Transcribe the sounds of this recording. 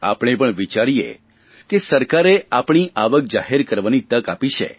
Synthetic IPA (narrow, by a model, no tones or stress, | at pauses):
a̰pɽ̃epəɳʋit͡ʃaɾijḛ | kesəɾkaɾeapɽ̃iʔaʋək̚d͡ʒaɦeɾkəɾʋanit̪əkapiʃʰḛ